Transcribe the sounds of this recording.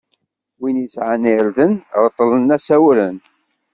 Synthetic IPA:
winisʕanɪɾðənɾt̪ˤːlənːæsæwɾən

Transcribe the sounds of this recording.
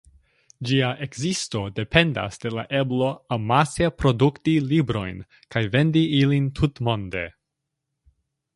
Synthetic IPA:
d͡ʒiaʔekzisto̞de̞pʰe̞nda̰sd̥e̞laʔe̞blo̞amasepɾo̞duktilibɾo̞jn | kajve̞ndiilintʰutmo̞ndḛ

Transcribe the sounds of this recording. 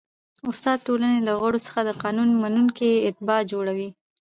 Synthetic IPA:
ʊst̪ɑd̪̚ʈolanelaɣwaɽosə̥xad̪əqɑnunmanunkeɪt̪̚bɑd͡ʒoɽawi

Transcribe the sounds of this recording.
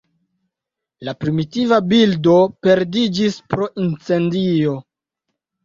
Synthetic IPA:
lapɾimitivabildo̞pe̞ɾdid͡ʒispɾo̞ʔint͡se̞ndio̞

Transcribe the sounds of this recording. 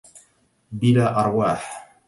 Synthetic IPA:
bilaːʔɑɾˤwaːħ

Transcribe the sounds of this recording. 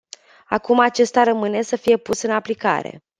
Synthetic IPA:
akumat͡ʃe̞st̪aɾəmɨne̞səfije̞pusɨnaplika̰ɾe̞̰

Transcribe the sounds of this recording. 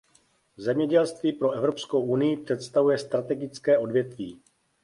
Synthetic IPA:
zɛmɲɛɟɛlst̪viːpɾo̞ɛvɾo̞psko̞wʔunɪjɪpr̝̥ɛt̪st̪avujɛst̪ɾat̪ɛɡɪt͡skɛːʔo̞dvjɛt̪vḭː

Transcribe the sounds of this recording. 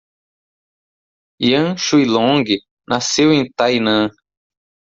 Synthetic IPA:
iɐ̃ʃujlõɡɪ | nasewẽt̪ajnɐ̃

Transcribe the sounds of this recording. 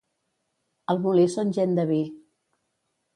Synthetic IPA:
əlˠmulisonʲʒɛnd̪əβi

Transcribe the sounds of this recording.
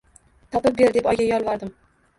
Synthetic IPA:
t̪ʰɒpɨp̚be̞ɾd̪e̞pɒjɡʲajɒlˠvɒɾd̪ɪm

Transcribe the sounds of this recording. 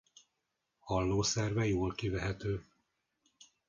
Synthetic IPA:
hɒlːoːsɛrvɛjoːlkivɛɦɛt̪øː

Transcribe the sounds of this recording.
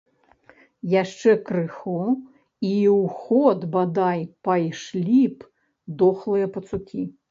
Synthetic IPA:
jaʂt͡ʂɛkɾɨxɔ | iwxɔd̪bad̪ajpajʂlʲip | d̪ɔxlˠɨjɐpɐt̪sukʲi

